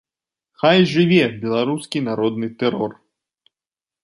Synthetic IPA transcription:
xajʐɨvʲɛbʲɛlˠaɾuskʲinaɾɔd̪nɨt̪ɛɾɔr

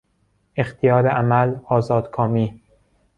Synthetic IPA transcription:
ext̪ʰijɒːɾeʔæmælɒːzɒːd̪̥kʰɒːmiː

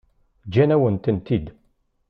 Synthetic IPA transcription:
d͡ʒænæwənt̪ənt̪id̪

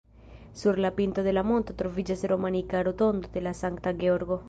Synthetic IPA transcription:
suɾlapint̪aðelamont̪ot̪ɾovid͡ʒaseɾomanikaɾot̪ond̪oðelasaŋk̚t̪aɡeoɾɣo

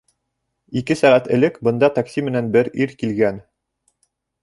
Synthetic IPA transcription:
ikɘsɑɾɑt̪ɘ̆lɘkbɤ̆nd̪ɑt̪ɑksʲimɘ̆nænbɘɾiɾkilɡæn

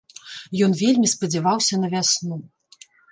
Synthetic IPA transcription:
jɔnvʲelʲmʲispɐd͡zʲɛvawsʲɐnɐvʲasnu

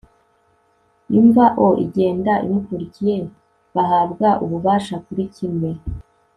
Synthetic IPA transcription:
iɱvaʔoʔḭɟe̞ːndaʔḭmukuɾicije̞ | βaɦaːbɡaʔuβuβaːʃakuɾicimŋe̞

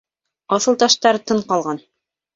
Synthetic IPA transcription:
ɑθɤ̆lˠt̪ɑʃt̪ɑɾt̪ɤɴqɑlˠʁɑn

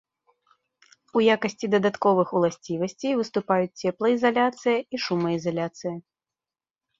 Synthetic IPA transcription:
ujakɐsʲt͡sʲid̪ɐd̪at̪kɔvɨxulˠasʲt͡sʲivɐsʲt͡sʲejvɨst̪upajut͡sʲt͡sʲɛplˠɐizalʲat̪sɨjɐiʂumɐizalʲat̪sɨjɐ

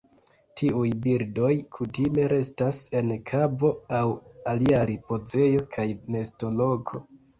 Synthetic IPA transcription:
tʰiujbiɾdo̞jkʰutime̞ɾe̞stase̞nkʰabo̞awaliaɾipo̞ze̞jo̞kʰajme̞sto̞lo̞ɡo̞

